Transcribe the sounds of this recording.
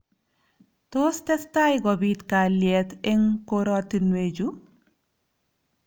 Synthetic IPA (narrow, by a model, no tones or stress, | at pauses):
tostɛstajɡɔbit̪kaljɛt̪ɪŋkoɾɔtinwed͡ʒu